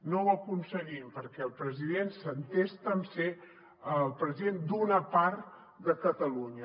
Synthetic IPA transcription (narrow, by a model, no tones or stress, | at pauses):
nowəkunsəɣimpəɾkɛlˠpɾəziðensənt̪est̪əmse | əlˠpɾəziðend̪unəpaɾt̪ | d̪əkət̪əluɲə